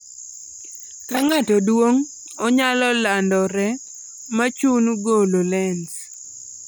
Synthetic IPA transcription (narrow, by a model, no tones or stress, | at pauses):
kaŋatɔdwoŋ | ɔɲalɔlandɔɾɛ | mat͡ʃunɡololɛns